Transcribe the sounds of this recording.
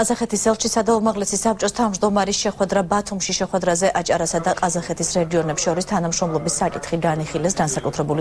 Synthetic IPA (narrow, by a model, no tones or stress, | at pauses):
azaχɛt̪ʰisɛlˠʃisad̪aumaʁlɛsisap̚t͡ʃʼɔst̪ʰavmʒd̪ɔmaɾisʃɛχwɛd̪ɾabat̪ʰumʃiʃɛχwɛd̪ɾazɛʔat͡ʃʼaɾasad̪aqʼazaχɛt̪ʰisɾɛɡiɔnɛpsʃɔɾist̪ʰanamʃɾɔmlˠɔbisːakʼit̪ʰχiɡaniχilɛsɡansakʼut̪ʰɾɛbuli